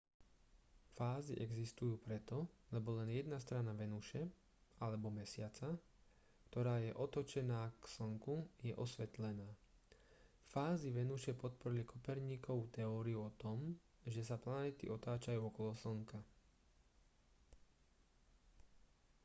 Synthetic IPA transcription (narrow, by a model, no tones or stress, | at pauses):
faːziʔɛɡzist̪ujuːpɾɛt̪ɔlɛbɔlɛnjɛd̪nast̪ɾanaʋɛnuʃɛ | alɛbɔmɛsɪat͡sa | kt̪ɔɾaːjɛʔɔt̪ɔt͡ʃɛnaːksɔŋkujɛʔɔsʋɛt̪lɛnaː | faːziʋɛnuʃɛpɔt̪̚pɔɾilikʰɔpɛɾɲiːkɔut̪ɛɔːɾiuɔt̪ɔm | ʒɛs̬aplanɛːt̪ḭʔɔt̪aːt͡ʃajuːɔkɔlɔsɔŋka